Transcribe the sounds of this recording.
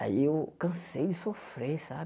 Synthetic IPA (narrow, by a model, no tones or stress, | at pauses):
a̰jeokãsɛdisɔfɾɛsa